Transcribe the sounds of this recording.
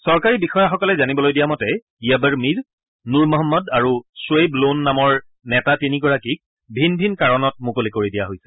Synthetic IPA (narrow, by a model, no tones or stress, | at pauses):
sɔɹkaɹibixɔjaxɔkɔlɛzanibɔlojdijamɔtɛ | ijabəɹmiɹ | nuɹmɔɦɔmːɔdaɹuswejblonːamɔɹ | nɛtatinikɔɹakik̚ | bʱinbʱinkaɹɔnɔt̚mukolikoɹidijaɦojsɛ̥